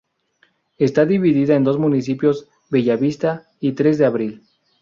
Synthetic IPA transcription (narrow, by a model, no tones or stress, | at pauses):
e̞st̪aðiβiðiðaend̪o̞zmũnis̬ipjo̞z | βeʝaβist̪a | it̪ɾe̞zðeaβɾil